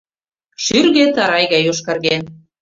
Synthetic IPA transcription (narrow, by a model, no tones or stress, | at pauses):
ʃyrɣet̪ɑɾɑjɣɑjoʃkɑrɣen